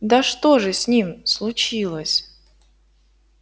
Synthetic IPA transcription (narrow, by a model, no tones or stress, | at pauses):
d̪aʂt̪oʐɨsʲnʲimslˠʊt͡ɕilˠəsʲ